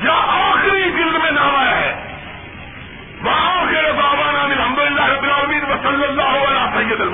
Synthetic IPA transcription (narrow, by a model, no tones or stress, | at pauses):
jaʔaːxɪɾiɡɪld̪mẽnãːmaːjaɦɛː | ʋɐɦãkeːɾebaːbaːnaːmɪlɦɐmd̪ʊlɪlːaːɦɪɾɐb̪ːɪlaːlɐmĩːnʋɐsɐlːɐlːaːɦoɐlãːsɐjɐd̪ɐlm